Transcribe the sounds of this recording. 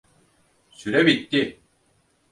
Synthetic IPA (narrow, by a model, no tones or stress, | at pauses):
syɾɛbit̪ːi